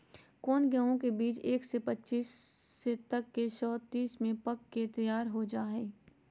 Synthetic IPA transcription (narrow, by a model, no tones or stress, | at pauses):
kɔːnɡɛõkebiːt͡ʃeːksepɐtːʃiːsːet̪ɐkːeʃɔːt̪iːsmẽpɐkːet̪ɐjaːɾɦod͡ʒaːɦeː